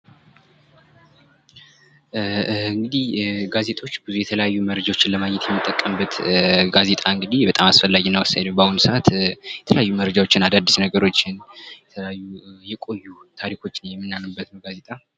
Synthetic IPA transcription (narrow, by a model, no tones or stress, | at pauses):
ɨŋɡɨd̪ihɡaze̞t̪ʼo̞t͡ʃːbɨzujɛt̪ʰələjajːuməɾəd͡ʒawo̞t͡ʃːɪnləmaɲɛt̪ʰjɛmːɨt̪ʼːəkʼːəmbət̪ɡaze̞t̪ʼaɨŋɡɨd̪ihbət̪ʼamasfəlːaɡinːəwasajd̪əwbahunsəʔat̪jɛt̪ʰələjajːuməɾəd͡ʒawot͡ʃːɪnad̪ad̪ːisnəɡəɾo̞t͡ʃːɪnjɛt̪ʰələjajːujɛkʼo̞jːut̪ʰaɾikʰo̞t͡ʃːɪnjɛmːɨnːanubːət̪nəwɡaze̞t̪ʼa